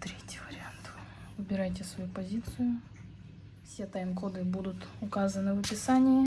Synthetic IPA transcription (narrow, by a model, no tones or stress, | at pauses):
t̪ɾʲetʲjɪvəɾʲɪant̪vɨbʲɪɾajtʲɪsvɐjupɐzʲit̪sɨjʊ | fsʲet̪ɐjmkod̪ɨbud̪ʊt̪ʊkazənɨvɐpʲɪsanʲɪjɪ